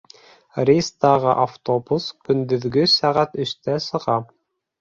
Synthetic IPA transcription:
rʲist̪ɑʁɤʔaft̪obuskɵ̆nd̪ɵ̆ðɡɵsæʁæt̪ɵ̆ʃt̪æsɤ̆ʁɑ

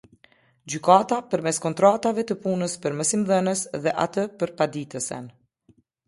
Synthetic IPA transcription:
d͡ʑykat̪apəɾmɛskɔnt̪ɾat̪avɛt̪əpunəspəɾməsimðənəsðɛʔa̰t̪əpəɾpad̪it̪əsɛ̰n

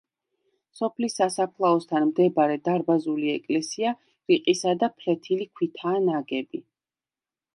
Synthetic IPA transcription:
sɔpʰlisːasapʰlˠaɔst̪ʰanmd̪ɛbaɾɛd̪aɾbazuliɛkʼlɛsia | ɾiqʼisad̪apʰɾɛt̪ʰilikʰwit̪ʰaːnaɡɛbi

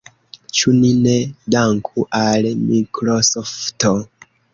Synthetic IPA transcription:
t͡ʃuninedaŋkʰuʔalmikɾosofto

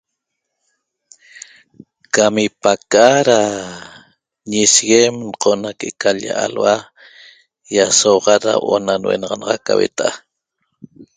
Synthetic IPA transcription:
kamipakaɾa | ɲisɣemɴqʰonakʔekaʎa̰ʔalwa | jasoʁɑɾa̰ʔonanwḛnɑʁɑnɑʁɑkːawḛt̪ʔa

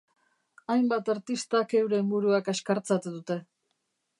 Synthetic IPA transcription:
ajmbat̪aɾt̪ist̪ake̞wɾembuɾuakeskaɾt͡sat̪uðut̪e̞

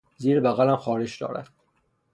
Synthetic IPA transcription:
ziːɾebæɣælæmxɒːɾed͡ʒd̪ɒ̰ːɾæ̰d̪̥

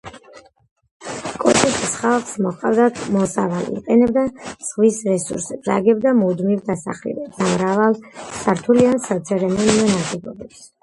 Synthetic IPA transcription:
kʼɔt̪ʰʼɛst̪ʰʼisχalˠχsmɔχqʼavd̪at̪ʰmɔsavalḭqʼɛnɛb̚d̪az̥ʁvisɾɛsṵɾsɛbza̰ɡɛb̚d̪amud̪mivd̪asa̰χlḭvɛd̪amɾavalˠsaɾt̪ʰuliansat̪sʰɛɾɛmɔniɛnaɡɛɡ̪ɔbɛps

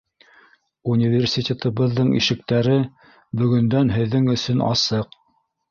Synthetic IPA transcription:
unʲivʲersʲitʲet̪ɤ̆βɤ̆ðːɤɴḭʃɘ̆k̚t̪æɾɘ | bɵ̆ɡɵ̆nd̪ænɦɘ̆ðːɘŋɵ̆sɵnɑ̰sɤq

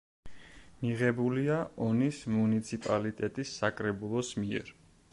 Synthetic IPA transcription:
miʁɛbuliaɔnismunit̪sʰipʼalit̪ʼɛt̪ʼisːakʼɾɛbulˠɔsmiɛ̰ɾ

